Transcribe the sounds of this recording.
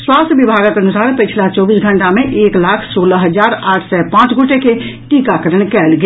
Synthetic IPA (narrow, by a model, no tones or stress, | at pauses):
swast̪ʰəbibʱaɡəkənusaɾpit͡ʃʰlat͡ʃɔbisɡʱəɳʈamẽʔeklakʰsoləɦəd͡ʒaɾaːʈʰsɛpãt͡ʃɡʱoʈekeʈikakəɾəɳkɛlɡe